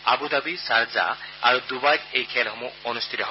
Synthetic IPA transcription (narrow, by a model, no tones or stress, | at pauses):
a̰bud̪abisaɾza̰aɾud̪ubajɡejkʰɛlɦɔmuɔnust̪ʰit̪ɔɦ